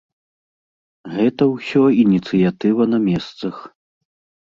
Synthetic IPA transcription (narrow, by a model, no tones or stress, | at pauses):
ɣɛt̪ɐwsʲɔinʲit̪sɨjat̪ɨvɐnɐmʲɛst̪sɐx